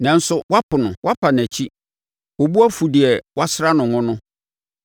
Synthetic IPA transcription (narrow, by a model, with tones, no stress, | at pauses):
nã˨˦n̩˦sʊ˦wa˦pʊ˨nʊ̃˨wʔa˦pʰa˨n˨æ˨t͡ɕʰi˦ | o˨bu˦a˦fu˨dɪ˨ɛ˨wa˦sɾa˦nʊ̃˨ŋʊ̃˦nʊ̃˦